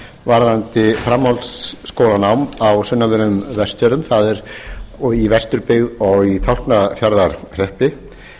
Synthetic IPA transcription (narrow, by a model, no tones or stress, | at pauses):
vaɾðant̪ɪfɾamːɔlsːkoːwlanawmawsʏnːavɪɾmvɛsc̪ɛɾʏmθaðɛɾ | ivɛst̪ʏɾpɪɣðɔɣit̪ʰawl̥knafjaɾðaɾ̥r̥ɛhpɪ